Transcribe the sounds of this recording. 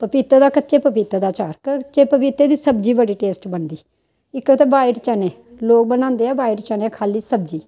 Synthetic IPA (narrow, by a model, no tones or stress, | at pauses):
pəpiːt̪aːd̪aːkətːt͡ʃeːpəpiːt̪aːd̪aːt͡ʃaːɾkt͡ʃeːpəpiːt̪eːd̪iːsəbd͡ʒiːbəɽiːʈeːsʈbənd̪iː | ɪkːet̪eːbaːɪɖt͡ʃaːneː | loːk̚bəñãːnd̪eːaːbaːɪʈt͡ʃaːnẽaːkʰaːliːsəbd͡ʒiː